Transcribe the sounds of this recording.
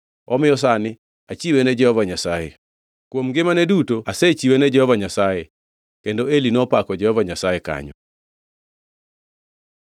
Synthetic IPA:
ɔ̰mɪjɔs̬anɪ | at͡ʃiwenɛd͡ʒɛhɔvaɲasajḛ | kwomɡɪmanedutoaset͡ʃiwenɛd͡ʒɛhɔvaɲasaje | kendoelinɔpakɔd͡ʒɛhɔvaɲasajeka̰ɲɔ

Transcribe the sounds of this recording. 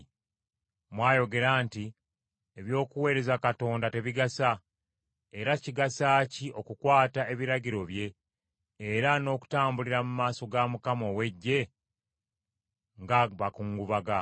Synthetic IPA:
mwaːjo̞ɡe̞ɾaːnti | eβjo̞ːkuwe̞ːɾe̞zakato̞ːndate̞βiɡasa | e̞ɾaciɡasaːciʔo̞kukwaːtae̞βiɾaɟiɾo̞βje̞ː | ɾano̞ːku̥taːmbuliɾamumaːso̞ɡamukamo̞we̞ɟːe̞ | ŋɡaβakuŋɡuβaɡa

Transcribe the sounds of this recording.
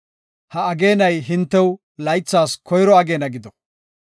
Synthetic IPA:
hɐɐɡe̞ːnɐjɦɪnt̪ːɛw | lɐjt͡sːaːskʰɔjɾɔɐɡe̞ːnɐɡɪd̪ɔ

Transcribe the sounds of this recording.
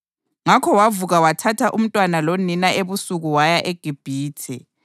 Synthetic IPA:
ŋakʰɔwavuɣawatʰatʰaʔum̩tʼwanaloninaeβusuɣuwajaʔeɡ̥ʱib̥ʱiːtʰɛ

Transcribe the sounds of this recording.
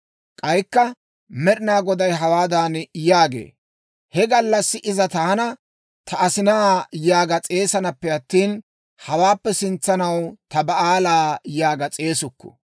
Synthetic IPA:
kʼɐjkːɐ | mɛɾɪnaːɡɔd̪ɐjɦɐwaːd̪aːnjaːɡḛː | hɛɡɐlːɐsːɪʔɪzɐt̪aːnɐ | t̪ʰɐːsɪnajaːɡɐt͡sʼe̞ːsɐnɐpːɛɐt̪ːiːn | hɐwaːpːɛsɪnt͡sːɐnɐwt̪ɐbɐʔaːlaːjaːɡɐt͡sʼe̞ːsʊkːɔ̥̰

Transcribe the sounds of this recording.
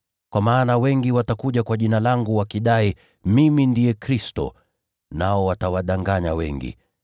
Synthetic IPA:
kwamaːnawɛŋɡiwatakuʄakwaʄinalaŋɡuwakiɗai | mimindijɛkɾistɔ̰ | naɔwatawaɗaŋɡaɲawɛ̰ŋɡḭ

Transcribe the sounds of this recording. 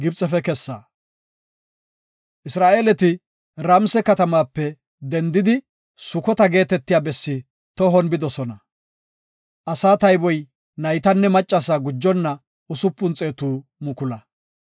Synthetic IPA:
ɡɪbt͡sʼɛfɛkɛsːaː | ʔɪsɾaːʔeːlɛt̪ɪ | ɾɐmsɛkɐt̪ɐmaːpːɛ | d̪ɛnd̪ɪd̪ɪ | sʊkɔt̪ɐɡe̞ːt̪ɛt̪ːɪjaːbɛsːɪ | t̪ɔɦɔnbɪd̪ɔsɔnɐ | ʔɐsaːt̪ɐjbɔj | nɐjt̪ɐnːɛmɐt͡ʃʼːɐsaːɡʊd͡ʒːɔnːɐ | ʊsʊpːʊnt͡sʼeːt̪uːmʊkʊlɐ

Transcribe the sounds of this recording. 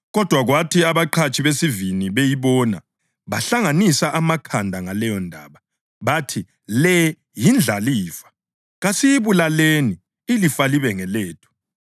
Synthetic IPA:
ɣɔd̥ʱwaɣwatʰiaβaǃʰat͡ʃʼʰiβesiviniβejiβɔna̰ | βaɬaŋanisaʔamakʰandʱaŋalɛjɔndʱa̰ːβa | βatʰi | lɛ | jind͡ɮʱaliːfḁ | ɣasijiβulaleni | ilifaliβɛŋɛleːtʰɔ̥

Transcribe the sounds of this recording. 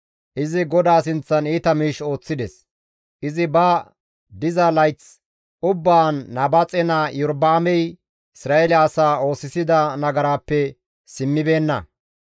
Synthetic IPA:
ʔɪzɪɡɔd̪aːsɪnt͡sːɐniːt̪ɐmiːʃo̞ːt͡sːɪd̪ɛs | ʔɪzɪbɐ | d̪ɪzɐlɐjt͡s | ʔʊbːaːnːɐbɐt͡sʼɛnajɔɾbaːmɛj | ɪsɾaːɛlːsaːo̞ːsɪsɪd̪ɐnɐɡɐɾaːpːɛ | sɪmːɪbe̞ːnːɐ̰

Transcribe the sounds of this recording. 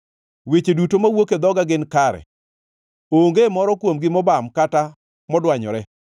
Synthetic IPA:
wet͡ʃedutomawoked̪ɔɡaɡɪnkaɾɛ̰ | oŋɡemɔɾɔkwomɡɪmɔbamkata | mɔdwaɲɔ̰ɾɛ

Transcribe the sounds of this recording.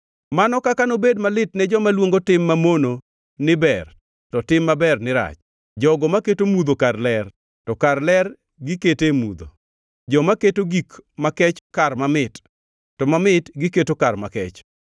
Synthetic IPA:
manɔkakanobedmalɪtnɛd͡ʒɔmalwoŋɡotɪmːamono | nɪbɛr | tɔtɪmːabɛrnɪɾa̰t͡ʃ | d͡ʒɔɡɔmaketomud̪okarlɛr | tɔkarlɛr | ɡɪketemṵd̪o̰ | d͡ʒɔmaketoɡikmakɛt͡ʃkarmamɪt | tɔmamɪtɡɪketokarmakɛt͡ʃ

